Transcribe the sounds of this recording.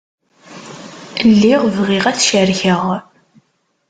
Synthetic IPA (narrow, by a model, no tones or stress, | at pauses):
lːiʁvʁiʁæθʃəɾçəʁ